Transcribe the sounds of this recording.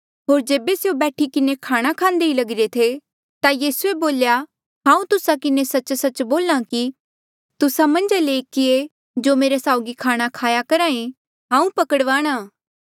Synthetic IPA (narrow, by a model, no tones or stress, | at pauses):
ɦoːɾd͡ʒeːbeseobɛːʈʰikɪnekʰaːɽ̃akʰãːnd̪eilɐɡɪɾet̪ʰe | t̪ajiːsueboːlja | ɦãːũt̪ʊsakɪnesɐt͡ʃsɐt͡ʃboːlãki | t̪ʊsamɐ̃nd͡ʒaleːkɪe | d͡ʒoːmeːɾesaːʊɡikʰaːɽ̃akʰaːjakɐɾãːẽ | ɦãːũpɐkəɽʋaːɽ̃aː